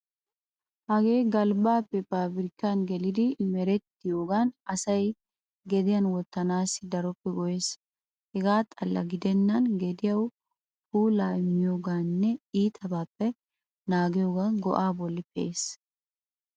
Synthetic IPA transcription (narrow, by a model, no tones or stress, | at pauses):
hɐɡe̞ːɡɐlbaːpːɛpaːbɪɾɪkːɐnɡɛlɪd̪ɪmɛɾɛt̪ːɪjoːɡanɐsɐj | ɡɛd̪ɪjɐnwɔt̪ːɐnaːsɪd̪ɐɾɔpːɛɡɔjeːs | hɛɡaːt̪ʼɐlːɐ̰ɡɪd̪ɛnːɐnɡɛd̪ɪjɐw | puːlaːɪmːɪjoːɡaːnːɛiːt̪ʰɐbaːpːɛ | naːɡɪjoːɡanɡɔ̰ʔaːbɔlːɪpɛʔeːs